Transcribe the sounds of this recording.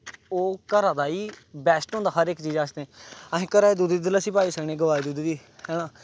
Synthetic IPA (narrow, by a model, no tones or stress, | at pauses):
oːkəɾãːd̪aːiːbɛːsʈõːnd̪aːɦəɾɪkt͡ʃiːzaːsd̪eɛ̃əɦẽːkəɾaːeːd̪uːd̪iːəlasiːpaːiːsəkɳeːɡəʋaːeːd̪uːd̪iːd̪iː | hɛːɽãː